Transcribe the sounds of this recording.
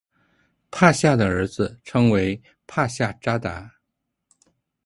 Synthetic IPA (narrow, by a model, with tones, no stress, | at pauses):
pʰa˥˧ɕja˥˩d̪ə˩ə˞˧˥d͡zɹ̩˧ʈ͡ʂʰɤ˥ŋwe˧˥ɪ | pʰa˥˧ɕja˥˩ʈ͡ʂa˥t̪a˧˥